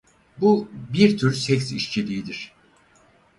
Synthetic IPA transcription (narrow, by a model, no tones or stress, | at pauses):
bubiɾt̪ʰyɾsɛcsiʃt͡ʃʰilʲiːd̪iɾ̥